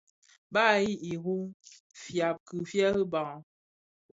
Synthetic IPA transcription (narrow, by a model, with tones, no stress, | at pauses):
baː˦˨ji˦i˨ɣu˦ | fja˨p̚kɨ˨fja˦ɣɨ˦ba˨